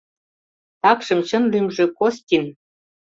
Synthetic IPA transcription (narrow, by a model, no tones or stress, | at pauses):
t̪ɑkʃə̆mt͡ɕə̆nlymʒĕkost̪ʲin